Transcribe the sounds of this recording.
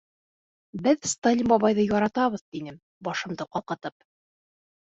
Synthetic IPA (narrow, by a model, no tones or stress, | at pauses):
bɘðst̪alʲimbɒβɑjðɤjɒɾɑt̪ɑβɤ̆ðt̪inɘm | bɒʃɤ̆md̪ɤqɒqɤ̆t̪ɤp̚